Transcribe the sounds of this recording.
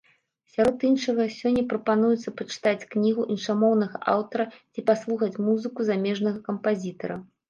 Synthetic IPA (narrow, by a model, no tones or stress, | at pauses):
sʲaɾɔt̪inʂɐɣɐsʲɔnʲːɐpɾɐpanujut̪sːɐpɐt͡ʂɨ̥t̪at͡sʲknʲiɣuʔinʂamɔwnɐɣɐʔa̰wt̪ɐɾɐt͡sʲipaslˠuxɐt͡sʲmuzɨkuzamʲɛʐnɐɣɐkɐmpazʲit̪ɐɾɐ̰